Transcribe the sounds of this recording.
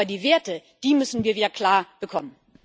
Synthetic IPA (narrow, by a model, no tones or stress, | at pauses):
ɐdiːveːɐtəd̥iːmʏsn̩viːɐviːdɐkʰl̥aːɐb̥əkʰɔmən